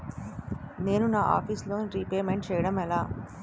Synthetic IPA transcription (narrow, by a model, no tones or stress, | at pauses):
ne̞ːnunaːʔa̰ːpʰiːsloːniɾipeːmeɳʈ̚t͡ʃɛːjɐɽɐmɛlaː